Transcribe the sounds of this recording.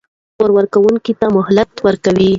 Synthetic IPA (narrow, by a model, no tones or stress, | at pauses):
poɾwaɾkawuŋkit̪amʊɦlat̪wəɾkawi